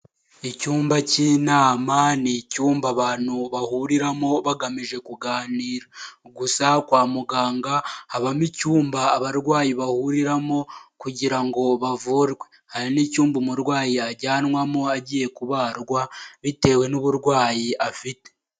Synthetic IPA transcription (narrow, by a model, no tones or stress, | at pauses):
icuːmbaciːnaːmanicuːmbaβaːn̥huβahuɾiɾamo̞βaɡamiʒe̞kuɡaːniːɾaɡusakwaːmuɡaːŋɡahaβamicuːmbaːβaɾɡwaːjiβahuɾiɾamo̞kuɟiɾaŋɡo̞βavuːɾɡwe̞ | haɾinicuːmbumuɾɡwaːjiaɟaːnŋwamoaɟiːje̞kuβaːɾɡwaβite̞ːwe̞nuβuɾɡwaːjiʔafite̞̥